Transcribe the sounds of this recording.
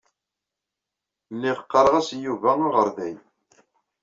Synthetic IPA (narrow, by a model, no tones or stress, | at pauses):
nːiʁəqːɑɾˤəʁæsjuvæaʁəɾˤðæj